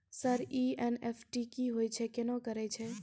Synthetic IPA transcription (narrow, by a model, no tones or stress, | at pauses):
səɾiɛnefʰʈikiɦoːjt͡ʃʰekenõkəɾet͡ʃʰe